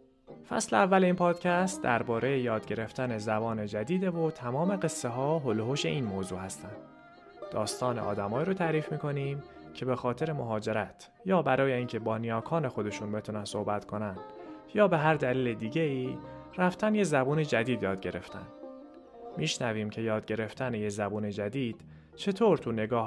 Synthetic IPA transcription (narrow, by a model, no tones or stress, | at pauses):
fæ̰sleævːæleiːnpʰɒːd̪̥cʰæst̪d̪æɾbɒːɾʔe̞jejɒːd̪ɟe̞ɾe̞ft̪ʰæne̞zæbɒːne̞d͡ʒæd̪iːd̪evot̪ʰæmɒːme̞ɣe̞sːeɦɒːɦoloɦoʃe̞̰ʔiːnmoːzuːhæst̪ænd̪̥ | d̪ɒːst̪ɒːnḛʔɒ̰ːd̪æmɒːiːɾot̪ʰæɾiːfmiːkʰo̞niːm | cʰe̞be̞xɒːt̪ʰe̞ɾe̞mo̞ɦɒːd͡ʒe̞ɾæt̪ʰ | jɒːbæɾɒːje̞iːncʰe̞bɒːnijɒːkʰɒːne̞xo̞d̪e̞ʃuːnbe̞t̪ʰunænso̞hbæt̪kʰo̞nænd̪̥ | jɒːbe̞ɦæɾd̪æliːled̪iːɟe̞iːræft̪ʰænjezæbuːne̞d͡ʒæd̪iːd̪jɒːd̪̚ɟe̞ɾe̞ft̪ʰæ̰nd̥̪ | miːʃnæviːmcʰe̞jɒːd̪̚ɟe̞ɾe̞ft̪ʰænejezæbuːne̞d͡ʒæd̪iːd̪̥ | t͡ʃʰe̞t̪ʰoːɾt̪ʰune̞ɡɒːh